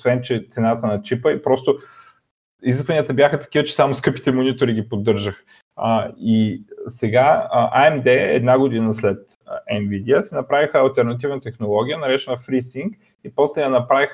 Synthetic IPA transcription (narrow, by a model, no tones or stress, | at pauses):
osvɛnt͡ʃɛt̪sɛnat̪ənɐt͡ʃipəipɾɔst̪o | iziskvɐniət̪əbʲjaxət̪ɐ̥kʲivət͡ʃɛ̥samoskɤpi̥t̪ɛmonit̪oɾiɡʲipod̪ːɤɾʒəx | isɛɡaʔaɛmd̪ɛɛ̰d̪naɡod̪inəslɛt̪ | ɛnvid̪iəsɛnɐpɾavixəːlˠt̪ɛɾnɐt̪̬ivnət̪ɛxnolˠɔɡ̟ʲijənɐɾɛt͡ʃɛnəfɾisiŋk | ipɔslɛjɐnɐpɾavix